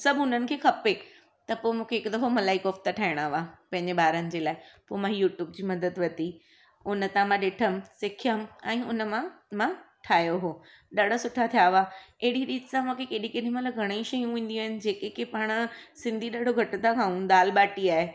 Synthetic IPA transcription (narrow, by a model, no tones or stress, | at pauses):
sɐbʱʊn̤ənɪ̆kʰeːxʰɐpe | t̪ɐpoːmũːkʰeːkʊd̪ɐfomɐlaːikoːft̪aʈʰaːɪɽ̃aːʋaːpɐ̃ɦɪ̃ɲd͡ʑeɓaːɾənɪ̆d͡ʑeːlaːɪpoːmãɦjuːʈjuːbd͡ʑiːmɐd̪əd̪ʋɐt̪i | ʊnət̪ãmãɗɪʈʰəmsɪkʰijəmɛ̃ːʊnəmãmã | ʈʰaːjoɦoː | ɗaɽ̤ʱasʊʈʰat̪ʰijaʋaːeɪɽiɗiːt̪sãmũːkʰekeːɗĩkeɗĩmãlɐɡʱɐɽ̃eiʃɐjũʋĩːn̆d̪iaːɦɪnɪ̆d͡ʑeːkekepaːɽ̃ʊsɪ̃nd̪ʱiɗaɖʱoɡʱɐʈʊt̪ʰakʰãːũɗ̪aːlɓaːʈiaːɦe